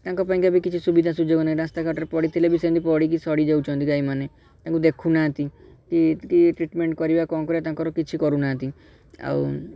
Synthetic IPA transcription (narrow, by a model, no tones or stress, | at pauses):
t̪ãŋkɔpaĩŋkiabikit͡ʃʰisubid̪ʱasud͡ʒoɡɔnaiɾast̪akaɾʈɔɾepɔɽit̪ʰelebisẽnd̪ipɔɽik̬isɔɽid͡ʒawt͡ʃʰɔ̃nt̪ikɡaimane | t̪ãŋkud̪ekʰunat̪ikikiʈɾiʈmeɳʈkɔɾibakɔkɔɾet̪ãŋkɔɾɔkit͡ʃʰikɔɾunat̪i | a̰w